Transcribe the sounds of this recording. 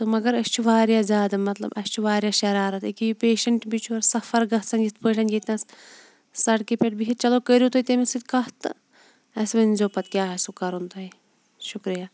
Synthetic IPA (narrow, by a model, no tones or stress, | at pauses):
t̪ɨmɐɡɐɾɐst͡ʃʰuʋaːɾjaːzʲaːd̪ɐmɐt̪lɐ̰bɐst͡ʃʰuʋaːɾʲjaːʃɐɾaːɾɐt̪ikijipeːʃɐɳʈbit͡ʃʰuɐɾsɐfɐɾɡɐɦt͡sɐnɡit̪pəːʈʰɐnɡʲet̪ʲnɐs | sɐʈkipeʈ̚biɦit͡ʃɐloːkəɾjut̪ot̪emisɨd̪ʲkɐɦt̪ɨ | ɐsʋɐnzoːpɐt̪kʲjaːɐsukɐɾunt̪oi | ʃukɾijaː